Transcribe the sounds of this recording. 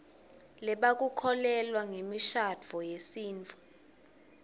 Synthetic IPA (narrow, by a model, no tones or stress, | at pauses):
lɛɓak̬ukʰɔlɛlwaŋemiʃad͡v̥ʱɔjesiːnt͡fʰʼu